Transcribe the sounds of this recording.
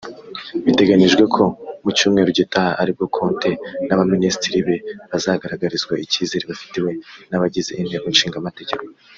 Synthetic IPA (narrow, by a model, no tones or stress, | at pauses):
βite̞ɡaniʒɡwe̞kʰo̞mucuːmŋe̞ːɾoɟitahaʔaɾib̚ɡo̞kʰo̞ːnte̞naβaministiɾiβe̞βazaɡaɾaɡaɾizɡwaiciːzeɾiβafi̥tiwe̞naβaɟize̞̰ʔinhe̞ɡonʃiːŋɡamate̞ɟe̞ko